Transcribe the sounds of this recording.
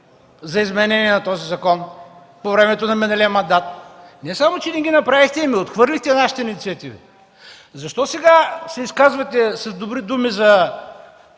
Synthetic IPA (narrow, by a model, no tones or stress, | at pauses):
zɐizmɛnɛniɛnɐt̪ɔzizɐkɔn | povɾɛmɛt̪onɐminɐlʲimɐnd̪at̪̚nɛsamot͡ʃɛnɛɡʲinɐpɾavixt̪ɛimiot̪xvɤɾlʲixt̪ɛnaʃi̥t̪ɛinit̪siɐt̪ivḭ | zɐʃt̪ɔsɛɡasɛiskazvɐt̪ɛsɐzd̪obɾid̪umizɐ